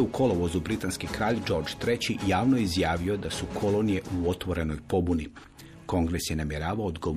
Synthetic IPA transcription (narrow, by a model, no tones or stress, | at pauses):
ukʰo̞loʋo̞zubɾit̪anskikɾaːʎd͡ʒo̞ɾd͡ʒt̪ɾe̞t͡ɕijaːʋnoizjaːʋio̞d̪asukʰo̞lonije̞ʔuo̞t̪ʋo̞ɾe̞no̞jpo̞buni | ko̞ŋɡɾe̞sjenamje̞ɾaːʋaoːd̪ɡo̞